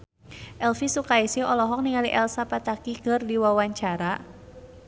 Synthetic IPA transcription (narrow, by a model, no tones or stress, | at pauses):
ʔɛlfisukaisiɔlɔɦɔk̚niŋaliʔɛlsapat̪akikɨrdiwawaɲt͡ʃaɾa